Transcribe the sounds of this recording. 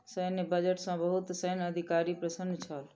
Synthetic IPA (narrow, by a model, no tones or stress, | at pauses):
sənebəd͡ʒəʈsə̃bəɦut̪səjnəd̪ʱikaɾipɾəsənːt͡ʃʰəl